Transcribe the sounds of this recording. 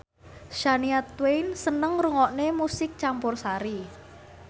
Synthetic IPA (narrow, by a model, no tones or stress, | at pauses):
ʃaniat̪wejnsənəŋruŋɔʔnemusɪk̚t͡ʃampʊrsaɾi